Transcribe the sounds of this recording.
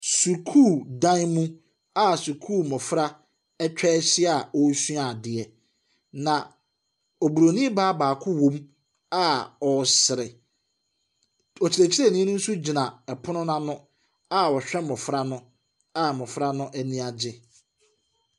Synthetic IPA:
su˨kʰuː˦˨dã˦nmũ˦ | a˦˨su˨kʰuː˦˨mɔ̃˨fɾa˦ | ɛ˦t͡ɕᶣɛː˦ɕɪ˦a˨ɔ˦su˦a˨dɪ˨ɛ˨ | nã˨ | ɔ˨bu˨ɾo˨nĩ˦baː˦baː˨kʰʊ˦wõ˦m | a˦ɔ˨sɪ˨ɾɪ˨ | ɔ˨t͡ɕʰi˨ɾe˨t͡ɕʰi˦ɾɛ˦˨nĩ˦nʊ̃˦n̩˦su˦d͡ʑi˨nã˨ɛ˨pʰʊ˦nʊ̃˦nã˦nʊ̃˦ | a˦ɔ˨ɕᶣɛ˦mɔ̃˨fɾa˦nʊ̃˦ | a˦mɔ̃˨fɾa˦nʊ̃˦ʔæ˦nĩ˦a˨d͡ʑɪ˦

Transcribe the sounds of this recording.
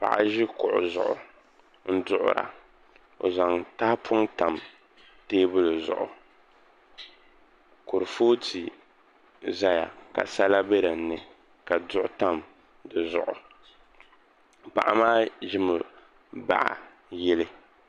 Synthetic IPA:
pa̰˨ʔa̰˨ʒɪ˦kʊ˨ʔʊ˨zʊ˨ʔʊ̰˨ | n̩˦dʊ˦ʔʊ̰˨ɾa̰˨ | o̰˨za˨ŋta˦hpʰʊ˦ŋta˨m | teː˦bʊ˦lɨ˨zʊ̰˨ʔʊ̰˨ | ko˨ɾfo˦tʰi˨ | za˦ja̰˨ka̰˨sa˦la˦be˦ɾa˨n˦nɨ˨ | ka˨dʊ˦ʔʊ˨ta˦m | dɨ˨zʊ̰˨ʔʊ˨ | pa̰˨ʔa˨maː˦ʒɪ˦mɨ˨ | ba̰˨ʔa̰˨ | jɛ˦lɨ˦

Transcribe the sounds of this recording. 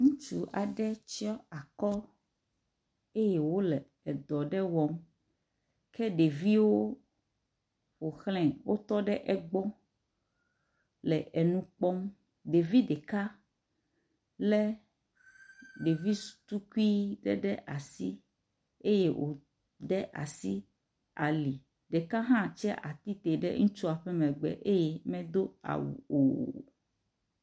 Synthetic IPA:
ŋũ˦t͡ʃu˨a˨ɖɛ˦t͡ʃi˦ɔ˦a˨kɔ˦ | e˦je˨wo˦lɛ˨ | ɛ˨d̪ɔ˨ɖɛ˦wɔ˨˦m | kɛ˦ɖe˨vi˦wo˦ | wo˨xl̃ɛ̃˨wo˦t̪ɔ˦ɖɛ˦ʔɛ˦ɡ͡bɔ˦ | lɛ˨ʔɛ˨nũ˦k͡pɔ˦m | ɖe˨vi˦ɖɛ˨ka˦ | lɛ˦ | ɖe˨vi̥˦˨t̪u˦ku˦i˦ɖɛ̰˦ɖɛ˦ʔa˨si˦ | e˦je˦wʔo̰˨ | d̪ɛ˦ʔa̰˨si˦ | a˨li˨ | ɖe˨ka˦ɦã˦t͡ʃɛ˦ʔa˨t̪i˦t̪e˨ɖɛ̰˦ŋũ˦t͡ʃu˦a˨ɸɛ˦mɛ̃˨ɡ͡bɛ̰˨ʔe˦je˦mɛ̃˦d̪o˦a̰˨wṵ˨o̰˨

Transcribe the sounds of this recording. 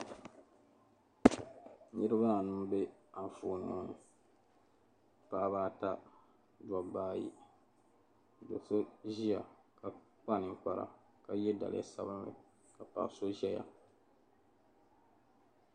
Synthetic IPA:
ɲɨ˦ɾɨ˦ba˦a˨nɨ˦m˦be˦a˨ɱ˨fuː˨n˨ŋo˨n˨ | pa˦baː˦ta˦ | da˨baː˦jḭ˦˨ | do˨so˦ʒi˦ja˨ | ka˨ | k͡pa˦˨nɨ˨ŋ˦k͡pa˦ɾa̰˨ | ka˨jɛ˦da̰˨lɪ̰˦˨a˨sa˦bɨ˦mlɨ̰˨ | ka˨pa̰˨so˦ʒɛ˦ja̰˨

